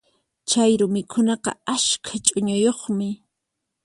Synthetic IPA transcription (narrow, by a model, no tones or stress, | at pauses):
t͡ʃajɾʊmɪkʰʊnɑqɑ̰aʃkʰat͡ʃʼʊɲʊjoχmɪ